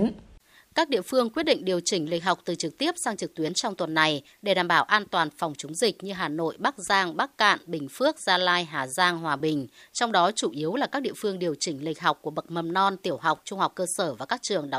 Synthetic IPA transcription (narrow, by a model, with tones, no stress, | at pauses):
kaː˦˥k̚ɗḭ˧˨əfɨ˧əŋkwi˦˥t̚ɗḭ̈˧˨ŋ̟ɗi˨˩əwt͡ɕï˧˩ŋ̟lï˨˩k̟̚ɦa˨˩wk͡p̚t̪ɨ˨˩t͡ɕɨ˨˩k̚t̪i˦˥əp̚saː˧ŋt͡ɕɨ˨˩k̚t̪wi˨˦ənt͡ɕɔ˧wŋ͡mt̪wə˨˩nːa˨˩j | ɗe˧˩ɗaː˧˩mɓaː˧˩wʔaː˧nt̪waː˨˩nfɔ˨˩wŋ͡mt͡ɕʊ˨˦ŋ͡mzï˨˩k̚ɲɨ˧ɦaː˨˩no̰˧˨jɓaː˦˥k̚zaː˧ŋɓaː˦˥kːa̰ː˧˨nɓï˨˩ŋ̟fɨ˦˥ək̚z̥aː˧laː˧jɦaː˨˩zaː˧ŋɦwaː˨˩ɓï˨˩ŋ̟t͡ɕɔ˧wŋ͡mɗɔ˨˦t͡ɕu˧˩ʔi˨˦əwlaː˨˩kaː˦˥k̚ɗḭ˧˨əfɨ˧əŋɗi˨˩əwt͡ɕï˧˩ŋ̟lï˨˩k̟̚ɦa˨˩wk͡p̚kːu˧˩əɓə˨˩t̚mə˨˩mnɔ˧nt̪i˧˩əwɦa˨˩wk͡p̚t͡ɕʊ˧ŋ͡mha˨˩wk͡p̚kəː˧səː˧˩vaː˨˩kaː˦˥k̚t͡ɕɨ˨˩əŋɗa˨˦